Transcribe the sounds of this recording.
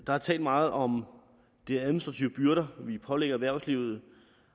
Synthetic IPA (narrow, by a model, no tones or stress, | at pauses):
d̥ɑ̈hɑ̈t͡sʰɛ̰ːld̥mɑ̈ːð̞̩ˠɒ̽m | d̥e̝æðˠminisd̥ʁɑ̈t͡sʰiʊəb̥yɐɾɐʋipʰɒ̽leɡ̥ɐæʋæɐ̰ʊsliʊð̞̩ˠ